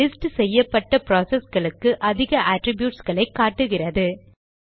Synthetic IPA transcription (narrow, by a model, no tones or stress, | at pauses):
lɪsʈsɛjːɐpːɐʈːɐpɾoːsɛsɣɐɭɯkːɯʔɐðɪɣɐʔaːʈɾɪbjuːʈsɣɐɭɐɪkːaːʈːɯɣɪrɐðɯ